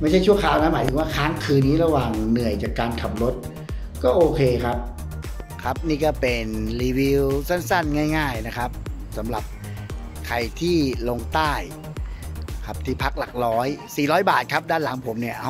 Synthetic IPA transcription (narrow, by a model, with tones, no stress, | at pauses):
ma˥˩t͡ɕʰa˥˩jt͡ɕʰu˥˩ɐkʰaː˨˦wna˦˥maː˨˦jt̪ʰɯ˨˦waː˥˩kʰaː˦˥ŋkʰɯː˧nːiː˦˥ɾa˧waː˨˩ŋnɯ˨˩əjt͡ɕaː˨˩kːaː˧nkʰa˨˩mɾo˦˥t̪̚ | kɔː˥˩ʔoː˧kʰeː˧kʰa˦˥p̚ | kʰa˦˥p̚niː˥˩kɔː˥˩pe˧nliː˧wi˧wsa˥˩nsa˥˩nŋaː˥˩jŋaː˥˩jna˦˥kʰa˦˥p̚sa˩˦mɾa˨˩p̚ | kʰa˧jt̪ʰiː˥˩lo˧ŋt̪aː˥˩j | kʰa˦˥p̚t̪ʰiː˥˩pʰa˦˥k̚la˨˩k̚lɔː˦˥jsiː˨˩ɾɔː˦˥jbaː˨˩t̪̚kʰa˦˥p̚daː˥˩˨nla˩˦ŋpʰo˩˦mni˥˩ɐ˦